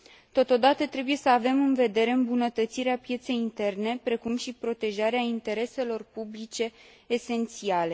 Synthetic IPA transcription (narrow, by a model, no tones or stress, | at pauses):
t̪o̞t̪o̞d̪at̪ət̪ɾe̞buje̞səave̞mɨnve̞d̪e̞ɾe̞ɨmbunət̪ət̪siɾeapje̞t̪se̞jint̪e̞rne̞pɾe̞kumʃipɾo̞t̪e̞ʒaɾeaint̪e̞ɾe̞se̞lo̞rpublit͡ʃe̞ː | se̞nt̪siale̞